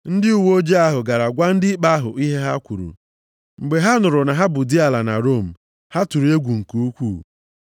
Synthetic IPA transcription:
n̩˦dɪ˦u˦˨wo˦d͡ʒe˦a˦ɦʊ˨ɡa˨ɾa˨ɡʷa˦n̩˦dɪ˦k͡pa˦ɦʊ̰˨ʔi˦ɦe˦ɦa˦kʷu˨ɾṵ˨ | ŋ͡m̩˨ɡ͡be˨ɦa˦nʊ˨ɾʊ˨na˨ɦa˦bʊ˨di˦a˨la˨na̰˨ɾo˦˨m̩˨ | ha˦tu˨ɾi˨e˦ɡʷu˨ŋ̩˨ku˦kʷu˦˨

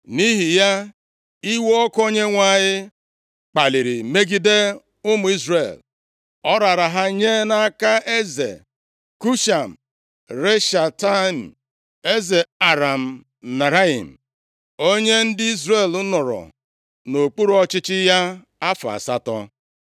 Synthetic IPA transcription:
ni˦ɦi˨ja˦ | i˦wo˦ɔ˦ko˦ɲe˦ŋʷa˨ɲɪ˦ | k͡pa˨li˨ɾi˨me˦ɡi˦de˦ | ʊ˦mʊ˨˦i˦zɾe˨l | ɔ˦ɾa˨ɾa˨ɦa˦ɲe˦na˦ka˦e˦zḛ˨ | ku˦ʃa˨m̩˨ | ɾe˦ʃa˨ta˦˨n̩˨ | e˦ze˨a˨ɾa˨m̩˨ | na˨ɾa˦ḭ˨m̩˨ | o˦ɲe˦n̩˦dɪ˦i˦zre˨lʊ˦nʊ˨ɾɔ̰˨ | no˨k͡pu˦ɾɔ˦t͡ʃɪ˦t͡ʃɪ˦ja˦ | a˦fa̰˨sa˦tɔ̰˦

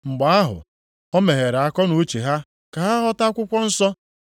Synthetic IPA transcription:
ŋ͡m̩˨ɡ͡ba˨a˦ɦʊ̰˨ | ɔ˦me˨ɦe˨ɾa˦˨kɔ˦nu˨˦t͡ʃe˨ɦa˦ | ka˨ɦa˦ɦɔ˦ta˦kʷʊ˦kʷɔ˦n̩˦sɔ˦

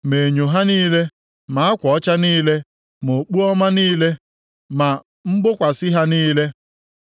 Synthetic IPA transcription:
me˨ɲo˨ɦa˦niː˦le˦ | ma˨a˦kʷɔ˨ɔ˦t͡ʃa˦niː˦le˦ | mo˨k͡pu˦ɔ˦ma˦niː˦le˦ | ma˨ | m̩˦ɡ͡bʊ˦kʷa˨sɪ˦ɦa˦niː˦le˦

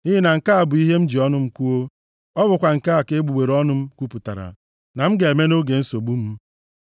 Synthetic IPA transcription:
i˦ɦi˦na˨ŋ̩˨ka˦a˨bʊ˨i˦ɦe˦m̩˦d͡ʒi˨ɔ˦nʊ˦m̩˦kʷu˦o˦ | ɔ˦bʊ˨kʷa˨ŋ̩˨ka˦a˨ke˦ɡ͡bu˨ɡ͡be˨ɾɔ˦nʊ˦m̩˦kʷu˦pu˨ta̰˨ɾa̰˨ | na˨m̩˦ɡe˨e˨me˦no˦ɡe˨n̩˦so˨ɡ͡bu˦m̩˦

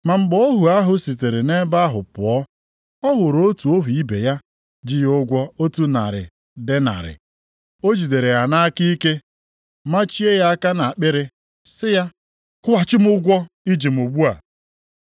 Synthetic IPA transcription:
ma˨ŋ͡m̩˨ɡ͡bɔ˦o˦ɦu˨a˦ɦʊ˦si˨te˨ɾe˨ne˦ba˦ɦʊ˨pʊ̰˨ɔ˦ | ɔ˦ɦʊ˨ɾo˦tu˨o˦ɦu˨i˦be˨ja˦ | d͡ʒɪ˦jʊ˦ɡʷɔ˦o˦tu˦na̰˨ɾɪ̰˨ | dɪ˦na̰˨ɾɪ̰˨ | o˦d͡ʒi˨de˨ɾe˨a˨na˦a˦ki˦i˦ke˦ | ma˦t͡ʃi˦e˦ja˦a˦ka˦na˨k͡pɪ˦ɾe˦ | sɪ˦ja˦ | kʊ˦wa˨t͡ʃɪ˦m˦ʊ˦ɡʷɔ˦ | i˦d͡ʒi˨m̩˨o˨ɡ͡bu˦a˨

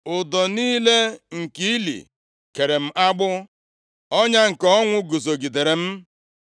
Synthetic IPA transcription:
ʊ˨dɔ˨niː˦le˦ŋ̩˨ki˦i˦lḭ˨ | ke˨ɾe˨m̩˦ʔa˦ɡ͡bʊ˦ | ɔ˦ɲa˦ŋ̩˨kɔ˦ŋʷʊ˦ɡu˨zo˨ɡi˨de˨ɾe˨m̩˦

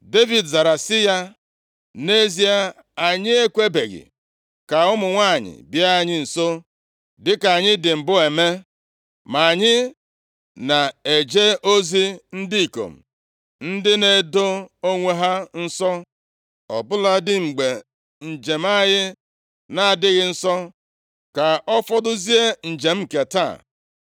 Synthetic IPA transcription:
de˦vi˨dza˨ɾa˨sɪ˦ja˦ | ne˦zi˦a˦ | a˨ɲɪ˦e˦kʷe˦be˨ɣɪ̰˨ | ka˨ʊ˦mʊ˨ŋʷa˦˨ɲɪ̰˨bja˦˨ɲɪ˦n̩˨so˦ | dɪ˦ka˨ɲɪ˦dɪ˨m̩˨bʊ˦e˨me˦ | ma˨a˨ɲɪ˦ | na˨e˨d͡ʒe˦o˦zi˦n̩˦di˦i˨ko̰˨m̩˨ | n̩˦dɪ˦ne˦do˦o˦ŋʷe˦ɦa˦n̩˦sɔ˦ | ɔ̰˨bʊ˦la˦dɪ˦ŋ͡m̩˨ɡ͡be˨ | n̩˨d͡ʒe˨m˦a˦ɣɪ˦ | na˦a˨dɪ˦ɣɪ˦n̩˦sɔ˦ | ka˨ɔ˦fɔ˦dʊ˦zi˦e˦n̩˨d͡ʒe˨m̩˦ke˨ta̰˦˨

